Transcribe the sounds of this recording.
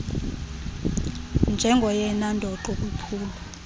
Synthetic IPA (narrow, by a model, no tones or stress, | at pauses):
nd͡ʒʱɛŋɡʱɔjɛnandʱɔǃɔk̬upʰuːlɔ